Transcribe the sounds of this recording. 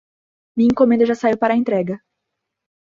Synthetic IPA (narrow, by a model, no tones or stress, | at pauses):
mĩĩŋkõmẽnd̪ɐʒasaiwpaɾɐẽnt̪ɾɛɡɐ